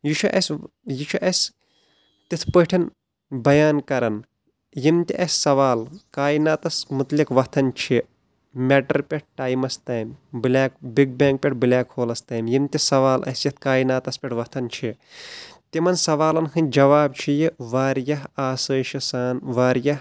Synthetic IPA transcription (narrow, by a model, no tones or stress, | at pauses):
jit͡ʃʰuʔɐsʲ | jit͡ʃʰuʔɐsʲ | t̪it̪ʰpəʈʰin | bɐjaːnkɐɾɐn | jimt̪ʲiʔɐsʲsɐʋaːlkaːjinaːt̪ɐsmut̪likʋɐt̪ʰɐnt͡ʃʰi | mʲeʈɐɾpʲeʈ̚ʈaːjmɐst̪aːjmbilʲaːkbiɡ̚beːŋk̚pʲeʈ̚bilʲaːkhoːlɐst̪aːjmjimt̪ʲisɐʋaːlʔɐ̰sjɐt̪̚ʰkaːjinaːt̪ɐspʲeʈʰʋɐt̪ʰɐnt͡ʃʰi | t̪imɐnsɐʋaːlɐnɦɨnʲd͡ʒɐʋaːb̚t͡ʃʰijiʋaːɾjɐɦaːsəːʃɐsaːnʋaːɾjɐh